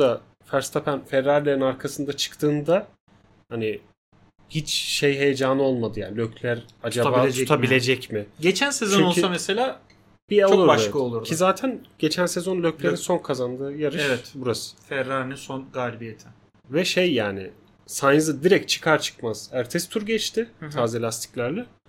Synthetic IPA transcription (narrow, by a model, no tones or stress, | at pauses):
d̪a | fæɾst̪ʰapænfɛɾːaɾlʲeɾinaɾkʰasɯnd̪at͡ʃʰɯ̥kt̪ʰɯːnd̪a | hanɪ | hit͡ʃʃejɦe̞jed͡ʒaːnɯo̞lˠmad̪ɯja̰ːnilʲøcʰlʲæɾatd͡ʒab̪abaːed͡ʒuɛt̪ʰabilʲe̞d͡ʒɛcmɪɟet͡ʃʰænsezonolˠsameselʲaː | b̥iɛlˠuɾbakaolˠuɾd̪izaːt̪ʰænɟ̥e̞t͡ʃʰænsezo̞nlʲøclʲeinso̞nkʰazand̪ɯːjaɾɯʃɛt̪buɾasɯ̥fɛɾːaɾnɛsonɡalʲibijet̪ʰɪ | vɛʃejːaːnɪ̰ | saj̪zɯd̪iɾɛc̚t͡ʃʰɯ̥kʰaɾt͡ʃʰɯ̥kmaz̥æɾt̪ʰɛst̪ʰuɾɟɛt͡ʃt̪ʰɪt̪ʰaːzelʲast̪ʰi̥cʲlʲæɾlʲɛ